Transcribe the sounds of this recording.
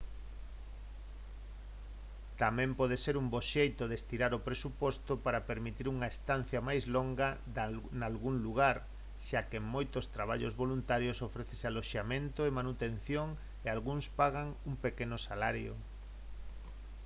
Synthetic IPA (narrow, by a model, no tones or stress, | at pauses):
t̪amɛ̃mpɔðeseɾumboʃejt̪ʊðest̪iɾaɾopɾesupɔst̪opaɾɐpeɾmit̪iɾuŋɐest̪an̟θjɐmajzloŋɡɐ | nalɣuŋluɣaɾ | ʃakeŋmojt̪ost̪ɾaβ̞aʎozβolunt̪aɾjosofɾeθesealoʃamẽnt̪oemanut̪en̟θjoŋ | ealɣuŋspaɣaŋuŋmpekenʊsalaɾjo̰